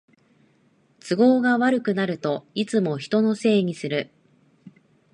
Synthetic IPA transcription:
t͡sɨɡo̞ːɡaβaɾɯ̟kɯ̟naɾɯ̟t̪o̞it͡sɨmo̞çi̥t̪o̞no̞se̞ːɲ̟isɨɾɯ̟

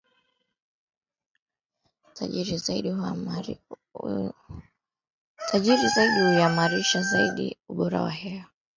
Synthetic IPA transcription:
ta̰iɾizaḭɗi | tʰaʄiɾizaiɗihuiamaɾiʃazaiɗḭuɓɔɾa̰wa̰hɛa

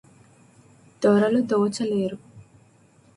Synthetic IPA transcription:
d̪ɔːɾɐlud̪ɔːt͡ʃɐleːɾu

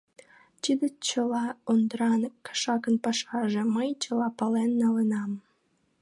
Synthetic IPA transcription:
tid̪ət͡ɕəlɑond̪ɾɑnəkːɑ̥ʃɑkənpɑʃɑʒĕməjt͡ɕəlɑpɑlenːɑlənɑm

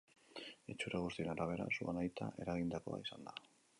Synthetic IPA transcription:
et͡ʃuɾeɣ̞ust̪ie̞naɾaβ̞e̞ɾa̰suanajt̪aʔe̞ɾaɣind̪ako̞a̰isand̪a

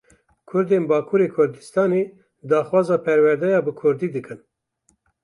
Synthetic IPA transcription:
kʰʊɾd̪eːnbɑːkʰuɾeːkʰʊɾd̪ɨst̪ɑːneː | d̪ɑːxwɑːzɑːpʰɛɾwɛɾd̪ɛjɑːbɨkʰʊɾd̪iːd̪ɨkɨn

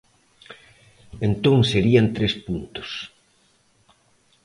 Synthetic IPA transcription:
ent̪oŋseɾiant̪ɾespunt̪ʊ̥s

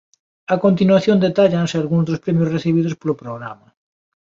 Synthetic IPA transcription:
akont̪inwaθjõnd̪et̪aʎansealɣunzd̪ospɾemjosreθiβ̞iðospolopɾoɣ̞ɾamɐ

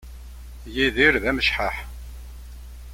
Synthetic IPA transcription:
jiðiɾðæməʃħaħ

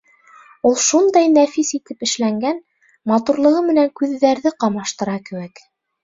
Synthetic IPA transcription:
ulˠʃund̪ɑjnæfisit̪ɘpɘ̆ʃlæŋɡæn | mɑt̪uɾlˠɤ̆ʁɤmɘ̆næŋkʉðːæɾðɘqɑmɑʃt̪ɤ̆ɾɑkɘ̆wæk

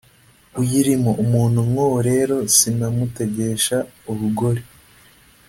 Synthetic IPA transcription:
ujiɾimoʔumuːnhumŋowɾe̞ːɾo̞sinamute̞ɟe̞ʃauβuɡo̞ɾe

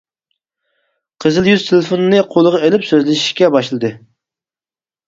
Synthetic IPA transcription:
qʰəzɨlˠjyzt̪ʰɪlɪfonnɨqʰolˠəʁɑelɪpsøzlɪʃi̥ʃkʲɛbɑʃlˠɨd̪ɨ

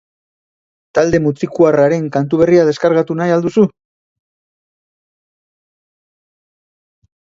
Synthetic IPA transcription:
t̪ald̪e̞mut͡sikuaraɾe̞ŋkant̪̬uβ̞e̞riað̞e̞skaɾɣat̪unajald̪usu

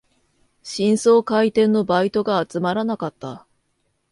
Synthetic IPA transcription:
ɕĩɰ̃so̞ːkait̪ẽ̞nːo̞bait̪o̞ɡaːt͡sɨmaɾanakat̪ːa̰

